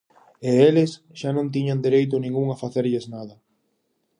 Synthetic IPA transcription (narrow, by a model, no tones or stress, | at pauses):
eelɪs | ʃanõnt̪̬iɲand̪iɾejt̪̬ʊnĩŋɡuŋafaθeɾʎeznaðɐ